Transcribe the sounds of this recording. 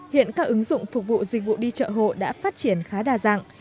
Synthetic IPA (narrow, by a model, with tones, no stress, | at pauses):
hḭ˧˨ənkaː˦˥k̚ʔɨ˨˦ŋzʊ̰˧˨ŋ͡mfʊ˨˩k̚vṵ˧˨zi˨˩k̚vṵ˧˨ɗi˧t͡ɕə̰ː˧˨ɦo̰˧˨ɗa̰ː˧˥faː˦˥t̚t͡ɕi˧˩ənxaː˨˦ɗaː˨˩za̰ː˧˨ŋ